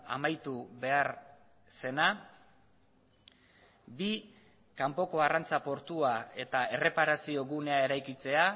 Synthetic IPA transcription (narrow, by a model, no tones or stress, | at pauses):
a̰majt̪uβe̞aɾ | se̞na | bi | kampo̞ko̞arant͡sapo̞ɾt̪uae̞t̪ae̞re̞paɾasio̞ɣune̞ae̞ɾajkit͡se̞a